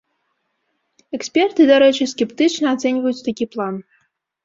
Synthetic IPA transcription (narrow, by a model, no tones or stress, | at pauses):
ɛksʲpʲɛrt̪ɨd̪aɾɛt͡ʃɨsʲkʲɛpt̪ɨt͡ʃnɐat̪sɛnʲvəjut͡sʲt̪akʲiplˠan